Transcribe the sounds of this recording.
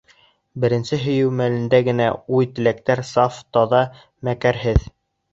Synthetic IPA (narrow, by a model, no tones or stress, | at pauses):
bɘ̆ɾɘ̆nsɘɦɵ̆jɘwmælɘ̆nd̪æɡɘ̆næujt̪ɘ̆læk̚t̪æɾsɑft̪ɑðɑ | mækæɾɦɘð